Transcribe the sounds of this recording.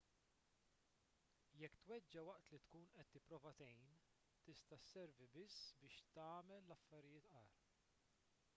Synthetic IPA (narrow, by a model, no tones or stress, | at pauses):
jɛkːt̪wɛd͡ʒːɐwɐʔt̪lit̪kuːnʔɛt̪ːɪpːɾɔːvɐt̪ɛjn | t̪ɪst̪ɐsːɛɾvibɪsːbɪːʃt̪ɐːmɛlːɐfːɐɾɪjɪːt̪ʔɐːɾ